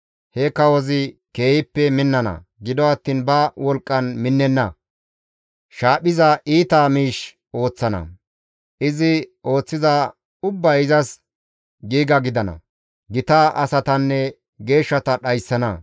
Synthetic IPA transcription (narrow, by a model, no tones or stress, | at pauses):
hɛkːɐwɔzɪke̞ːjɪpːɛmɪnːɐnɐ̰ | ɡɪd̪ɔɐt̪ːiːnbɐwɔlkʼːɐnmɪnːɛnːɐ | ʃaːɓɪzɐʔiːt̪amiːʃ | o̞ːt͡sːɐnɐ̰ | ʔɪzɪo̞ːt͡sːɪzɐ | ʊbːɐjɪzɐs | ɡiːɡɐɡɪd̪ɐnɐ̰ | ɡɪt̪ɐʔɐsɐt̪ɐnːɛ | ɡe̞ːʃːɐt̪ɐɗɐjsːɐnɐ̰